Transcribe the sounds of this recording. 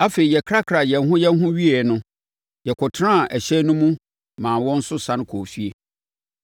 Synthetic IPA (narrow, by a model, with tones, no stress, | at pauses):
a˦fe˨i˨jɛ˨kʰɾa˦kʰɾa˨jɛ˨n˦ɦʊ̃˦jɛ˦n˦ɦʊ̃˦ɥi˦ɛ˨nʊ̃˦ | jɛ˨kʰʊ˨tʰnã˦˨ʔɛ˨ɕɛ˦nʊ̃˦mũ˦ | mãː˨wɔ̃˦n̩˦sʊ˦sã˦ñ˦kʰoː˨fi˦e˨